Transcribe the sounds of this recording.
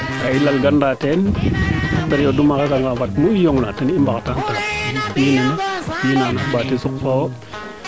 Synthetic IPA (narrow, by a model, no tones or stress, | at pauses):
kailalɡandaten | atanjodumakakaŋɡafatmuijoŋnatenimbaktantalabinimjinanabatisukːo